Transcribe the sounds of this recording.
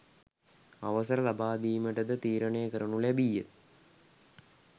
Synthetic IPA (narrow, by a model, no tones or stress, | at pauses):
aʋɐsɐɾəlabaːd̪iːməʈəd̪ət̪iːɾɐɳejəkəɾɐɳulæbijet̪